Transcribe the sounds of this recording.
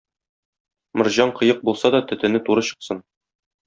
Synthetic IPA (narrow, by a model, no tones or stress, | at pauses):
mŏɾʑɑɴqɤ̆jɤq̚bulˠsɑd̪ɒt̪ɵ̆t̪ɘ̆nɘt̪uɾɤɕɤ̆qsɤn